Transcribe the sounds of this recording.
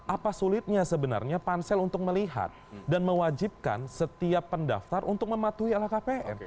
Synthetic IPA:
apasulɪt̪̚ɲasəbəna̰rɲapansɛlunt̪ʊk̚məliɦa̰t̪̚danməwad͡ʒib̚ka̰nsət̪iapːənda̰ft̪arʔunt̪ʊk̚məmat̪uialahkapeʔɛ̰n

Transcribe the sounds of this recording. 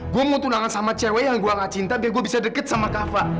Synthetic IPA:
ɡuaməŋut̪unaŋansamat͡ʃɛwɛjaŋɡuaŋat͡ʃint̪abiaɡuabisadəkət̪̚samakafa

